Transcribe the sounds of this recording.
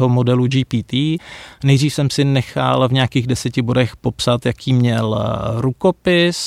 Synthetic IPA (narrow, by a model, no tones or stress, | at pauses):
ɦomo̞dɛlud͡ʒiːpiːt̪iːnɛjdr̝iːfsɛmsɪnɛxa̰lvɲɛakiːɣdɛsɛcɪbo̞dɛxpo̞psat̪jakʰiːmɲɛlɾukopɪs